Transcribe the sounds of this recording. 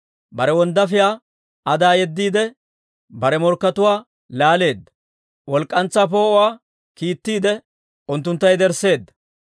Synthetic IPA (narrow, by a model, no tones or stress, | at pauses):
bɐɾɛwɔnd̪ɐfɪjaː | ʔɐd̪aːjɛd̪ːiːd̪ɛ | bɐɾɛmɔɾkːɐt̪ʊwaː | laːle̞ːd̪ːɐ̥ | wɔlkʼːɐnt͡sːaːp̬o̞ːʔʊwaː | kiːt̪ːiːd̪ɛ | ʊnt̪ːʊnt̪ːɐjd̪ɛɾse̞ːd̪ːɐ̥